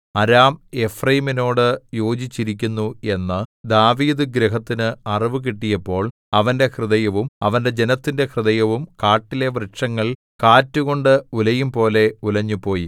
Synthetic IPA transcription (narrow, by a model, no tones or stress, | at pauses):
ɐɾaːme̞frɐjmino̞ːɽɨjo̞ːd͡ʑit͡ɕːiɾik̬ʲːunːue̞nːɨd̪aːʋiːd̪ɨɡɾeɦɐt̪ːinɨɐriʋɨk̬iʈːijɐpːo̞ːɭ | ɐʋɐnde̞krɨðɐjɐʋumɐʋɐnde̞d͡ʑe̞nɐt̪ːinde̞krɨðɐjɐʋumkaːʈːile̞ʋrɨʂɐŋːɐɭ | kaːtːuɣo̞ɳɖɨulɐjumpo̞ːle̞ulɐɲːupo̞ːjḭ